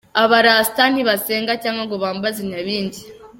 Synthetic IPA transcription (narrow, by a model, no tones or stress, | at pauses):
aβaɾaːstan̥iβaseːŋɡacaːŋɡwaŋɡoβaːmbaziɲaβiːnɟi